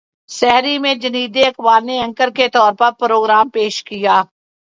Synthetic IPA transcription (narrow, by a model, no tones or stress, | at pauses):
sɛɦɾimẽd͡ʒɐniːd̪eɐkbaːɾneɐ̃ŋkəɾket̪ɔːɾpɐɾpɾoːɡɾaːmpeːʃkijaː